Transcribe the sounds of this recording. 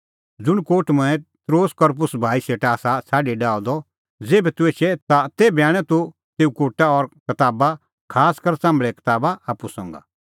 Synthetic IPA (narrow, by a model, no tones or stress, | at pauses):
d͡zʊɽ̃koːʈmɐ̃ɛ̃t̪ɾoːskɔɾp̬ʊsbʱaːiseːʈaːsasaːɖeɖaːɔd̪ɔ | d͡zeːbɛt̪ueːt͡ʃʰɛt̪at̪eːbaːɽ̃ɛt̪u | t̪eːukoːʈaɔɾkɐt̪aːba | kʰaːskɐɾsãːmɭɛkɐ̥t̪aːbaaːpusɔ̰̃ːŋɡa̰